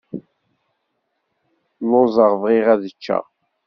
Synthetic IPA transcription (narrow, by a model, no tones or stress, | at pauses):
lːʊzˤəʁvʁiʁæðət͡ʃːæ̰